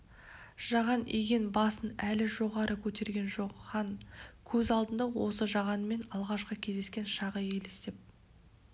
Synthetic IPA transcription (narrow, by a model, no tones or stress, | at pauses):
ʒ̥ɑʁɑniɡʲe̞nbɑsənælɪʒo̞ʁɑɾʔəkʲʰɵt̪e̞ɾɡʲe̞nʒo̞qχɑnkʲʰɵzɑlˠd̪ənd̪ɑwo̞səʒɑʁɑnəme̞nɑlˠʁɑʃqəkʲʰezd̪eskʲe̞nʃɑʁəje̞lest̪e̞p̚